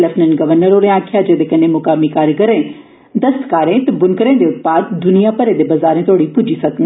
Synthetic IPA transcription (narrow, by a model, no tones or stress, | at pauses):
ləpnənɡəʋəɾnəɾoːɾẽaːkʰɪjad͡ʒeːd̪ekɐnemʊkaːmikaːɾɡəɾẽː | d̪əst̪kaːɾẽːt̪ɐbʊnkəɾẽːd̪eʊt̪̚paːd̪d̪ʊnijapəɾed̪ebɐzaːɾẽt̪ʰoːɽipʊd͡ʒisɐkn